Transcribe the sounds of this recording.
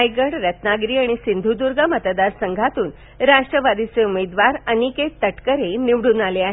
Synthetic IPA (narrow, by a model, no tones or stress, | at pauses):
ajɡəɽɾət̪naɡɾiːaɽ̃isind̪ʱud̪uɾɡamət̪d̪aɾsəŋɡʱat̪uːn | ɾaʂʈɾəʋad̪it͡seumed̪ʋaɾəniket̪əʈkəɾeniʋɽuːnaleaɦe